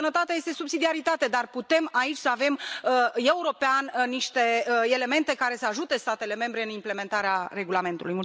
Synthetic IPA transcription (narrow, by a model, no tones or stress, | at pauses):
ənət̪at̪eaje̞st̪e̞subsid̪iaɾit̪at̪e̞d̪arput̪e̞mait͡ʃʲsəave̞məe̞uɾo̞peanniʃt̪e̞əe̞le̞me̞nt̪e̞kaɾe̞səaʒut̪e̞st̪at̪e̞le̞me̞mbɾe̞ɨnimple̞me̞nt̪aɾeare̞ɡulame̞nt̪ulujmu